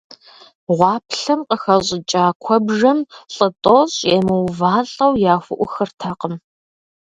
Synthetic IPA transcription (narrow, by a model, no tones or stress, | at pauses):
ʁʷɑːpʰɬɐmqəxɐɕʼɪt͡ʃʼaːkʷʰɔbʐɐmɬʼɨtʼoɕʼeːmɨwvaːɬʼɐwjaːxʷʊʔʷʊxɨrtʰɐqəm